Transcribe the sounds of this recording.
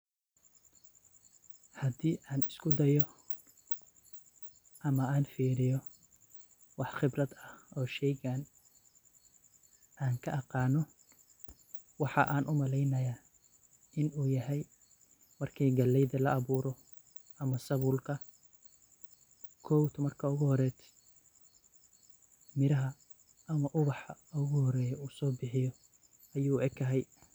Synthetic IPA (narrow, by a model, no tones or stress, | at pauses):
hɐd̪iːʔaːnɪskʰʊd̪ɐjɔ | ʔɐmɐaːnfiːɾɪjɔ | wɑħχɪbrɐd̪ɐhɔːʃɛjɣaːn | ʔaːŋkʰɐʔɑqɑːnɔ | wɑħɑ̰ʔaːnʔʊmɐlɛjnɐjaː | ɪnuːjɐɦɛj | mɐrkʰiːɡɐlɛjðɐlɐɑβuːɾɔ | ʔɐmɐsɐβuːlkʰɐ | kʰɔːwt̪ʰmɐrkʰɐʊɣʊhɔɾɛːt̪ʰ | mɪɾɐɦɐ | ʔɐmɐʔʊβɑħɐʊɣʊhɔɾɛːjɔuːsɔːbɪħɪjɔ | ʔɐjuːʔɛɡkkʰɐɦɛj